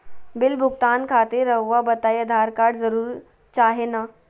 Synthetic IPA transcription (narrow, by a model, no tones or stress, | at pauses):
bɪlbʱuɡt̪aːnkʰat̪iɾəwʋabət̪ajəd̪ʱaɾkaɽd͡zəɾuːɾ | t͡ʃaɦena